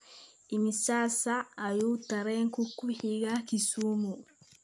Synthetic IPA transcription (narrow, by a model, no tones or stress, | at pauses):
imisasaːjutaɾeŋkukːuhiɡakisumu